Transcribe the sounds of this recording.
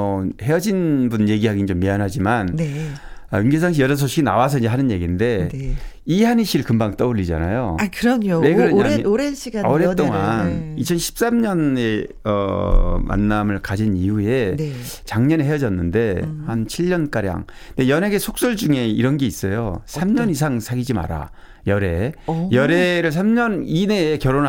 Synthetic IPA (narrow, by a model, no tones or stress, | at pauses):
ʌheʌd͡ʑinbunje̞ɡiɦaɡind͡ʑomːianɦad͡ʑimannea̰juŋɡes̬ʰaŋɕ̬ʰijʌɾʌs̬ʰoɕʰiɡinawas̬ʰʌinɲd͡ʑeɦanɯnje̞ɡinde̞e | ihaniɕ͈ʰiɾɯɭkɯmbaŋt͈ʌuʎːid͡ʑa̰na̰joakɯɾʌnoweɡɯɾoɾenɕʰiɡaoɾet͈oŋanit͡ɕʰʌnɕʰi̥p̚s͈amɲʌne̞ | ʌ̰ma̰nːamɯɭkad͡ʑiniue̞t͡ɕaŋɲʌniɦe̞jʌd͡ʑʌnːɯnde̞hant͡ɕʰiʎːʌnk͈aɾja̰ŋ | ndejʌne̞ɡe̞sʰok̚s͈ʌɭd͡ʑuŋe̞iɾʌnɡe̞is͈ʌjo̰sʰamɲʌnis̬ʰaŋsʰaɡid͡ʑima̰ɾa̰ | jʌɾe̞jʌɾe̞ɾɯɭs̬ʰamɲʌnine̞kjʌɾona